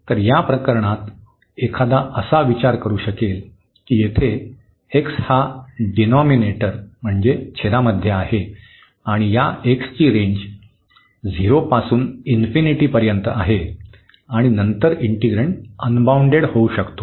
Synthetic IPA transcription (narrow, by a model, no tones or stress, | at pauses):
t̪əɾjapɾəkəɾɳ̃at̪ | ekʰad̪aʔəsaʋit͡ɕaɾkəɾuːɕəkel | kiːjet̪ʰe | ekshaɖinɔmineʈəɾm̤əɳd͡zet͡ɕʰelaməd̪ʱjeahe | aɽ̃ijaʔekst͡ɕiːɾeɲd͡ʑ | d͡ziɾopasuːninfiniʈiːpəɾjənt̪əaɦe | aɽ̃inənt̪əɾiɳʈiɡɾeɳʈənbauɳɖeɽhouɕəkt̪o